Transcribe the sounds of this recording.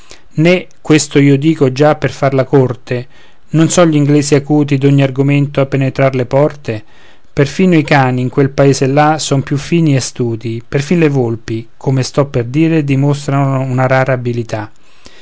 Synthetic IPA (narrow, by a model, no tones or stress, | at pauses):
nekːwest̪oiːod̪iːkod͡ʒapːerfarlakort̪e | nonsɔʎiŋɡlɛːsiakuːt̪̬id̪oɲːiarɡoment̪oapːenet̪ɾarlepɔrt̪e | perfiːnoikaːniːŋkwelpaeːselːasɔnpjufːiːniɛeast̪uːt̪iperfinlevolpikʰomest̪ɔpːerd̪iːɾed̪imost̪ɾanounaɾaːɾaːbilit̪a